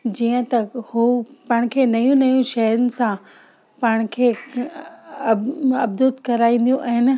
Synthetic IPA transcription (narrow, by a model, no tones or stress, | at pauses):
d͡ʑiːə̃t̪ɐhupɐɪɽ̃kʰeːnɐjũnɐjũʃɐɦɾʊnɪ̆sã | paːɽ̃kʰeː | ɐb̚d̪ut̪kɐɾaːĩːn̆d̪ijũʔɛ̃ːn